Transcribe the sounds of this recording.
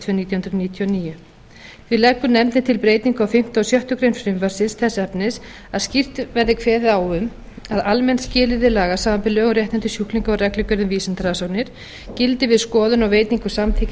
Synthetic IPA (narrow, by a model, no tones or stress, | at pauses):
t̪ʰvœniːt̪jahʏnɾniːt̪ʰjɔniːjʏ | fvɪðlɛkːʏnɛmt̪ɪt̪ʰɪlpɾeːjt̪niŋkʏawfɪm̥t̪asjœht̪ʏkɾejnfɾɪmvaɾsɪnsθʰɛsːɛpnɪs | aðscir̥t̪vɛɾðɪkʰvɛːðɪawʏm | aðalmɛnscɪːlɪðɪlaːɣasaːvampɪlœːɣɾjɛht̪ɛnt̪ʏsjuhkliŋkɔwɾɛklɪkœɾɪmviːsant̪ɾasaw̪nɪɾ̥ | cɪlt̪ɪvɪðskɔːðʏnaɣwveːjt̪niŋkʏsamtθʰɪc